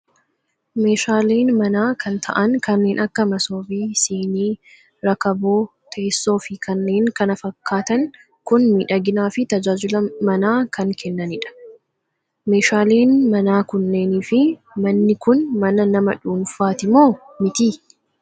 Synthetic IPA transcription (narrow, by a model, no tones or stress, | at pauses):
me̞ːʃaːleːnmɐnaːkʰɐnt̪ʰɐ̰ʔɐŋkɐnːe̞ːnʔɐkːɐmɐso̞ːbiːseːniː | ɾɐkɐboː | t̪ʰeːsːo̞ːfɪkʰɐnːe̞ːŋkɐnɐfɐkːaːt̪ɐŋ | kʊnmiːᶑɐɡɪnaːfɪt̪ɐd͡ʒaːd͡ʒʊlɐmɐnaːkɐŋkʰɛnːɐnɪᶑɐ̥ | me̞ːʃaːliːnmɐnaːkʊnːe̞ːniːfɪ | mɐnːɪkʊnmɐnɐnɐmɐ̰ᶑuːnfaːt̪ɪmo̞ː | mɪt̪iː